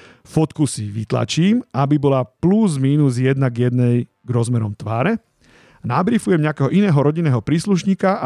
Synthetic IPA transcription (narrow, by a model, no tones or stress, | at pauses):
fɔt̪kusiʋit̪la̰t͡ʃiːmabibɔlapluzmiːnuzjɛd̪naɡjɛd̪nɛj | ɡɾɔzmɛɾɔmt̪ʋaːɾɛ | nabɾifujɛmɲɛakɛːɦɔʔinɛːɦɔɾɔɟinɛːɦɔpɾiːsluʃɲiːka